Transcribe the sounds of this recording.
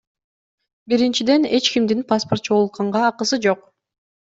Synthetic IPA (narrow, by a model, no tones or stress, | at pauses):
biɾint͡ʃid̪e̞ne̞t͡ʃkimd̪inpasport̪t͡ʃot̪qɑɴʁɑːqɯsɯd͡ʒo̞q